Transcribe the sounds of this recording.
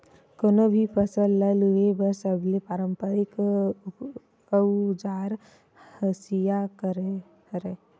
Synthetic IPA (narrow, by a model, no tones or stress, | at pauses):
konobʱipəsəlːəluebəɾsəbʱlepaːɾəmpəɾɪk | əud͡ʒaːɾ | həsijakəɾ | ɾe